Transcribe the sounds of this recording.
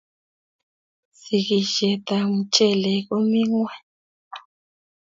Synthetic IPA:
si˨ɣi˨ʒɛ˨tʼa˨ŋu˨t͡ʃʼɛ˦lɛ˨ku˦mi˦ŋwɛ˦˨

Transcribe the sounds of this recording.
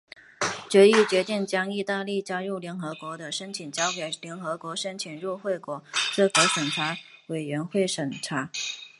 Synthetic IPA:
t͡ɕɥɛ˧˥i˥˩t͡ɕɥɛ˧˥t̪i˥˩ŋt͡ɕjɑ˥ŋi˥˧t̪a˥˧li˥˩t͡ɕja˥ɻu˥˩ʊljɛ˧˥nxɤ˧˥kwɔ˧˥d̪ə˧ʂə˥nt͡ɕʰi˨˩nt͡ɕjɑ˥ʊke˨˩ɪljɛ˧˥nxɤ˧˥kwɔ˧˥ʂə˥nt͡ɕʰi˨˩nɻu˥˧xwe˥˩ɪkwɔ˨˩˦ʈ͡ʂ̩˥˩kɤ˧˥ʂə˨˩nʈ͡ʂʰa˧˥we˨˩ɪɥɛ˧˥nxwe˥˩ɪʂə˨˩nʈ͡ʂʰa˧˥

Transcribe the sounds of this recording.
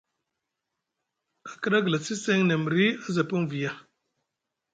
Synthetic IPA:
ka˨kə˦ɗa˦ɡla˨si˦se˦ŋne˨m˨ɾi˦a˦za˨pu˦ŋvi˨ja˨

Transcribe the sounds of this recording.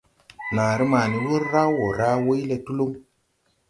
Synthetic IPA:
naː˨ɾi˦ma˨ni˨wu˦ɾɾa˦wo˨ɾa˦wo˦jle˧tu˦lo˦m

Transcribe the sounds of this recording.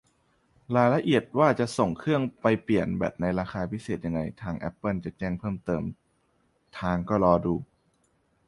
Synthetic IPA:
ɾaː˩˦la˧ʔi˨˩ət̪̚waː˥˩t͡ɕa˨˩ʔso˨˩ŋkʰɯ˥˩əŋpa˧jpli˨˩ənbɛ̰ː˨˩p̚na˧jɾaː˧xaː˧pʰi˦˥seː˨˩t̪̚ja˧ŋːa˧jt̪ʰaː˧ŋʔɛ̰˦˥pːɤ˥˩˨nt͡ɕa˨˩t͡ɕɛː˥˩ŋpʰɤː˥˩mt̪ɤː˨m | t̪ʰaː˧ŋkɔː˥˩ɾɔː˧duː˧

